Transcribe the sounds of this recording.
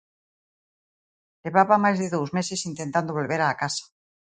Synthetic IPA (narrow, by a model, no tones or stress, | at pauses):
leβaβamajzðeðowzmesesint̪ent̪and̪oβ̞o̞lβeɾaːkasḁ